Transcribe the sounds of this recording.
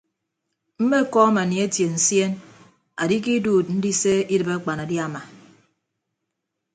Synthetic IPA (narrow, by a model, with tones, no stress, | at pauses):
m̩˦me˦˨kɔ˦a˦ma˨ni˨e˦tje˨n̩˨sje˦n | a˨di˦ki˦duː˨t̚n̩˦di˦se˦i˦dɨ˨be˦k͡pa˨na˨di˦a˦ma˨